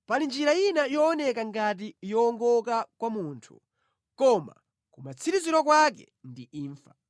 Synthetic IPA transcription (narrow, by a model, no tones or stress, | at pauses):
palind͡ʒiɾajinajɔːnɛkaŋɡat̬ijɔːŋɡɔkakwamuːntʰṵ | kɔma̰ | kumat͡sʰiɾiziɾɔk̬wak̬ɛ̰ | ndiiːɱfa